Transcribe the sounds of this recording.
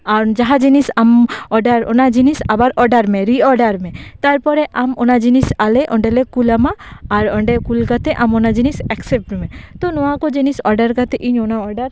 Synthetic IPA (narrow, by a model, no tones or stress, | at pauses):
aɾd͡ʒaɦad͡ʒinisamɔɖaɾo̰nad͡ʒinisabaɾʔɔɾɖaɾmẽɾiɔɖaɾmẽt̪aɾpɔɾɛʔamonad͡ʒinisaleʔɔɳɖelekulamaːɾɔɳɖekulkat̪eʔamonad͡ʒinisɛksep̚ʈumẽt̪ɔnɔakɔd͡ʒinisɔɾɖaɾkat̪eʔiɲonaɔɾɖaɾ